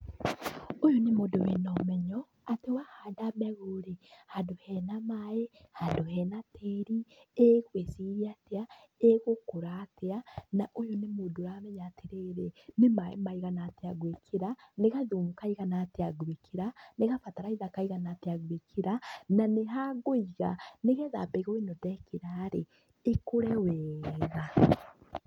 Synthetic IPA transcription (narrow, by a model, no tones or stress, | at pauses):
ojonemodowenɔmɛɲɔ | atewahadamɛɣoɾehadohɛnamae | hadohɛnatʰeɾieɣwesiɾiatea | eɣokoɾateanaʔojonemodoɾamɛɲatʰeɾeɾenemaḛmaiɣanaːteaɡwekʰeɾaneɣaðumukaiɣanateaɡwekʰiɾaneɣafataɾaiðakaiɣanateaɡwekʰiɾananeɦaɡoiɣa̰neɣɛða̰peɣɔwinodɛkiɾaɾe | ekoɾɛwɛːɣa